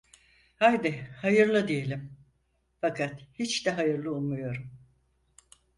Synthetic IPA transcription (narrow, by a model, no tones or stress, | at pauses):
hajd̪ɪhajɯɾlˠɯd̪ije̞lʲim | fakʰat̪hit͡ʃd̪ɛɦajɯɾlˠɯulˠmujo̞ɾum